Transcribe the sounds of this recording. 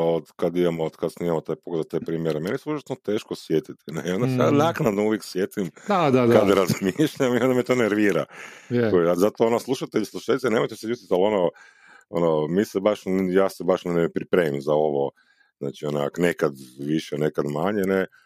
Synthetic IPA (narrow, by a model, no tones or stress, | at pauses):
od̪kad̪imamood̪kad̪snimamot̪ajpoɡled̪at̪epɾiːmjeɾemenisuʃt͡ʃe̥t̪not̪eːʃkosjet̪it̪i̥nḛio̞nd̪asejanaknad̪nouʋjeksjet̪imad̪akad̪ɾazmeʃʎamio̞nd̪amet̪oneɾʋiɾakojeazat̪oonoslˠuʃat̪eʎislˠuʃalʲit̪enemojt̪eseust̪it̪alo̞no | o̰nomisebaʃjaːsebaʃnepɾipɾemimzao̞ʋo | zna̰ːt͡ʃiona̰knekad̪ʋiʃɛnekad̪maɲene